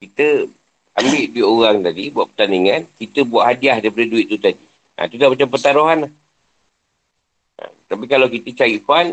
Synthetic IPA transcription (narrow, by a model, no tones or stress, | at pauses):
kit̪ə | ambɪʔduiʔoɣaŋt̪adibuaʔ̚pə̥rt̪aniŋankit̪əbuaʔɦadiahdaipadəduiʔ̪̚ːut̪adi | ã̰t̪udaʔmat͡ʃampət̪aɾoɦanah | ə̰t̪apikalawkit̪ət͡ʃaipan